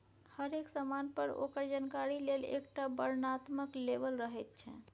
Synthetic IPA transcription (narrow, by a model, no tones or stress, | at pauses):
həɾeksəmanpəɾo̰kəɾd͡ʒankaɾilelḛkʈabəɾnat̪məklebəlɾəɦɛt̪̚t͡ʃʰɛ̰̃